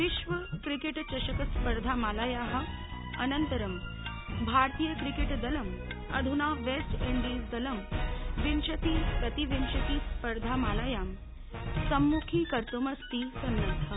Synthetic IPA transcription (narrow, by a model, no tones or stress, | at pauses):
ʋiʃʋəkɾikeʈt͡ɕɐɕəkəspəɾd̪ʱamalajaɦə̆ | ɐnənt̪əɾəm | bʱaɾt̪ijəkɾikeʈd̪ɐləm | ɐd̪ʱunaʋesʈeɳɖisd̪ɐləmʋimɕɐt̪ikɐt̪iʋimɕɐt̪ispəɾd̪ʱamalajam | sɐmːukʰiːkəɾt̪omɐst̪iːsɐnːət̪ʰɐ